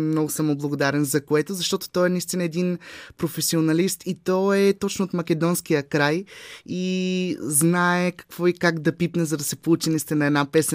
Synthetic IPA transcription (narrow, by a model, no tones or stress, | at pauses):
mnɔɡʊsɐmoblˠɐɡʊd̪aɾɛnzɐkoɛt̪ʊzɐʃt̪ɔt̪o̥t̪ɔɛnɐist̪inɐɛd̪inpɾofɛsionɐlist̪ʰit̪ɔɛt̪ɔt͡ʃnʊot̪mɐkɛd̪ɔnskijəkɾajiznaɛkɐ̥kv̥ɔikaɡd̪ɐpipnɛzɐd̪ɐsɛpout͡ʃɛnist̪inɐɛd̪napɛs